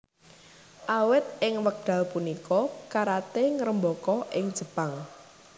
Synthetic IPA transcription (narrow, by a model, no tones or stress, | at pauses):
ʔawɪt̪̚ɪŋwək̚ɖ̪̥ä̤lpunikɔkaɾat̪eŋəɾəmbɔkɔʔɪŋd̥ʒ̥ə̤paŋ